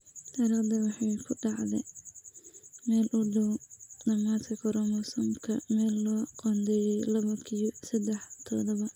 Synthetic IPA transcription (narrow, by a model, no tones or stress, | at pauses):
t̪ʰɐɾiːqd̪ɐwɑħɑjkʰʊɖɑʕd̪ɛ | mɛːlʔʊɖɐwdɐmaːt̪kʰɐkʰɔɾɔmɐsɔmkʰɐmɛːlːɔːqɔnd̪ɛjɛjlɐβɐkʰiɔsɐd̪ɛħt̪ʰɔd̪ɔβɐ